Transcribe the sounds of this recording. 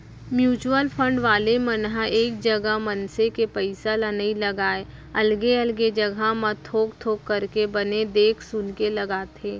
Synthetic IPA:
mjuːt͡ʃuəlpʰə̃ɳɖʋaːlemənɦaeːk̚d͡ʒɐɡəɦmɐnsekepəɪsalənəilɐɡaːe | ɐlɡeɐlɡed͡ʒɐɡʱamət̪ʰoːk̚t̪ʰoːkːəɾkebɐned̪eːkʰsʊnkelɐɡaːt̪ʰeː

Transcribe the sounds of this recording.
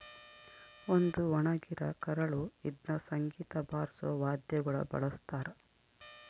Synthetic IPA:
ond̪uʋɐɳɐɡiɾɐkɐɾɐɭuid̪nɐsɐŋɡiːt̪ɐbʱaːɾsɐʋaːd̪jɐɡɐɭɐ̰bɐ̰ɭɐst̪aːɾɐ

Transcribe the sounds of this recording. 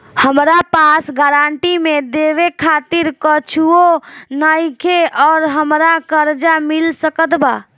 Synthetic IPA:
həmɾapasɡəɾaɳʈimed̪eʋekʰat̪iɾkət͡ʃʰuonəjkʰeʔɔːɾɦəmɾakəɾd͡ʒamilsəkət̪baː

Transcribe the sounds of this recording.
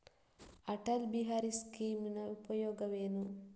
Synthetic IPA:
ɐʈɐlbiɦaːɾiskiːminɐupɐjɔːɡɐʋeːnu

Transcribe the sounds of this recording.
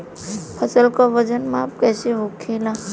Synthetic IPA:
pʰəsəlkaʋəd͡ʒənmãp̚kɛːseɦokʰːelã

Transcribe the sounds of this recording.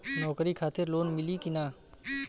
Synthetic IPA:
nɔːkɾikʰaːt̪ɪɾloːnmɪlikinaː

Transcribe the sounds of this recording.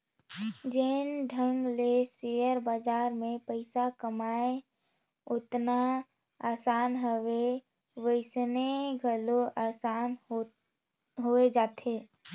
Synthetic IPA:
d͡ʒeːnɖʱə̃ŋɡlesejəɾbaːd͡ʒaːɾmẽpəɪsakəmaːe | ʊt̪na | aːsaːnɦəʋe | ʋəɪsneɡʱəloʔaːsaːn | ɦoed͡ʒaːt̪ʰeː

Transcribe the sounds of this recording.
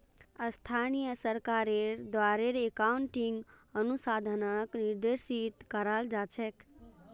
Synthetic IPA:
əst̪ʰanijəsəɾkaɾeɾd̪waɾeɾekauɳʈiŋɡənusad̪ʱənəkniɾd̪eɾsit̪kəɾald͡ʒat͡ʃʰɛk

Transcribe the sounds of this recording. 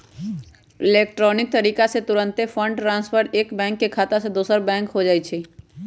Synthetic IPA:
ɪleːkʈɾɔːnɪk̚t̪əɾiːkaset̪ʊɾə̃nt̪efʰə̃ɳɖʈɾãːnspʰəɾʈeːkbɛ̃ːŋkːekʰaːt̪ased̪oːsəɾbɛ̃ːŋkɦod͡ʒaːit͡ʃʰe

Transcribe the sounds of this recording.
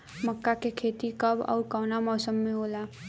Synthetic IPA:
məkːakekʰeːt̪ikəbɔ̰ːɾkɔːnamɔːsəmːẽɦoːla

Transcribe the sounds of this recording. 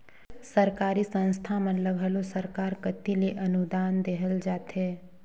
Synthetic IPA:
səɾkaːɾisə̃ñst̪ʰamələbʱɦəlosəɾkaːɾkət̪ileʔɐnud̪aːnd̪eɦəld͡ʒaːt̪ɦeː

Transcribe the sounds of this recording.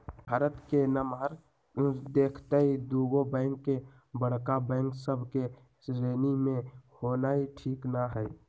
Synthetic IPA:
bʱaːɾət̪kenəmaːɾ | d̪eːkʰt̪aid̪uːɡobɛ̃ːŋkːe | bəɽ̤kabɛ̃ːŋksəbʱke | sɾeːnimẽhoːnaːiʈʰiːknaɦɛː

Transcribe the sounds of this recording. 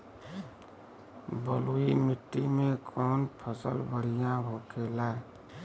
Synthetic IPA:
bəluimit̪ːimekʰɔnpʰəsəlbəɽijãbʱokʰelae

